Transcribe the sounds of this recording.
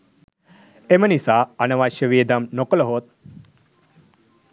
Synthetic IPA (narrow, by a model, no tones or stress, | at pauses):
emənisaːanɐʋaʃjəʋied̪amnokələɦot̪̚